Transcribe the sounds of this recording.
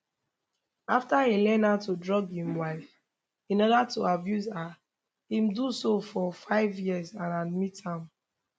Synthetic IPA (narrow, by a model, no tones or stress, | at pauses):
aftaelɛnatudɹɔɡhĩmwaɪf | ĩnɔdatuabjuza | hĩmdusofɔfaɪvjizãnamitʰãm